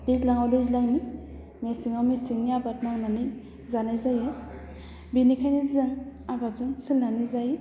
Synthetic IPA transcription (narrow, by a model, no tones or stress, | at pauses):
d̥ezlaŋawdɯzlaŋni | mesiŋawmesiŋniabat̚mawnanɯj | zanajzaje | binikʰajnizɯŋabatzɯŋsilnanizaj